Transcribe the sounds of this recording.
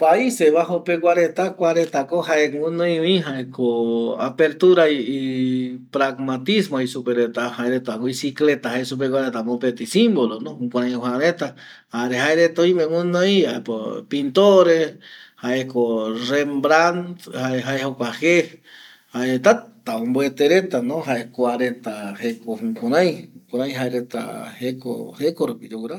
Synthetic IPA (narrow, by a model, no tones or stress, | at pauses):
paiseβaɦopek̬ʷwʷaɾet̪akʷaɾet̪akohaeũnõjuĩɦaekoa̰peɾt̪uɾaiːpɾaɡmat̪ismoisupeɾet̪ahaeɾet̪akoisiklet̪aɦaesup̬ekʷaɾet̪amõpet̪isimbolonõũkʷaɾãwhaɾet̪a | haɾehaeɾet̪aõĩmẽwũnojaepopint̪oɾehaekorembɾant̪haeɦaehokʷahe | haeet̪at̪aõmboet̪eɾet̪anõɦaekʷaɾet̪ahekohũkõɾãj̃ũkõɾãj̃ɦaeɾet̪a̰heko̰hekoɾupid͡ʒokuɾa